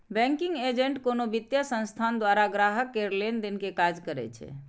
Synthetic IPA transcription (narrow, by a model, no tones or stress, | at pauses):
bɛ̃ŋkiŋɡed͡ʒeɳʈkonobit̪jasə̃nst̪ʰand̪waɾaɡɾaɦəkːeɾlend̪enkekad͡ʒkəɾɛ̰t͡ʃʰɛ̰